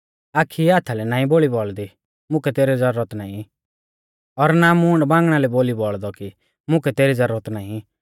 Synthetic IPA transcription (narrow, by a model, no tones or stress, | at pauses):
aːkʰiaːt̪ʰalɛnãːĩboːɭibɔɭd̪i | mʊ̃kɛt̪eːɾɛd͡zɐɾːət̪naːĩ | ɔɾnamuːɳɖbãːŋɡɽ̃alɛboːlibɔɭd̪ɔki | mʊ̃kɛt̪eːɾid͡zɐɾət̪naːĩ